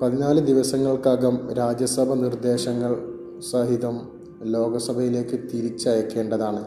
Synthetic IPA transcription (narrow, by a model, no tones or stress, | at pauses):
pɐðinaːlɨd̪iʋɐsɐŋːɐɭkaːɣɐmɾaːd͡ʑjɐsɐbʱɐnird̪e̞ːɕɐŋːɐɭ | sɐɦiðɐm | lo̞ːɡɐsɐbʱɐjile̞ːkːɨt̪iɾit͡ɕːɐjɐkːe̞ːɳɖɐðaːɳɨ